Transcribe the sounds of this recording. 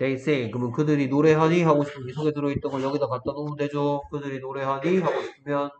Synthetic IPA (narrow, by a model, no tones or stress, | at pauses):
teis͈ekɯmɯnkɯdɯɾinoɾe̞ɦaɲiɦaɡoɕʰi̥pʰɯnisʰoɡetɯɾʌit̚t͈ʌnɡʌɭjʌɡidʌkat̚t͈anomuded͡ʑokɯdɯɾinoɾe̞ɦaɲiɦaɡoɕʰi̥pʰɯmjʌn